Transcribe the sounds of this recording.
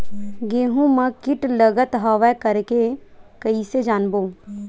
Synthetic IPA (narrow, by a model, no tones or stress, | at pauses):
ɡeːɦũmɐ̃kɪʈləɡət̪ɦaːʋɛkəɾkekɐised͡ʒaːnboː